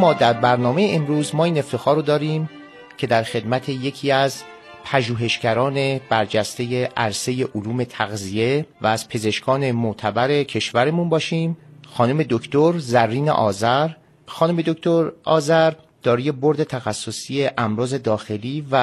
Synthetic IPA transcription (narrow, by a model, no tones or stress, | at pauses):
mɒːd̪æɾbæɾnɒːme̞jeemɾuːzmɒːiːne̞ft̪ʰe̞xɒːɾod̪ɒːɾiːm | cʰe̞d̪æɾxe̞d̪mæt̪ʰe̞je̞cʰiːæz | pʰæʒuːɦe̞ʃcæɾɒːne̞b̥æɾd͡ʒæst̪e̞je̞ʔæɾse̞je̞ʔoluːme̞t̪ʰæɣzije̞væːz̥pʰe̞ze̞ʃkʰɒːne̞moʔt̪ʰæbæɾe̞cʰe̞ʃvæɾemunbɒːʃiːmxɒːnuːme̞d̪okʰt̪oɾzærːiːnḛʔɒːzæɾ | xɒːnuːme̞d̪okt̪ʰoɾɒ̰ːzæɾ | d̪̥ɒːɾije̞bo̞ɾd̪e̞t̪ʰæxæsːosiːe̞ʔæmɾɒːze̞d̪ɒːxe̞liːvæ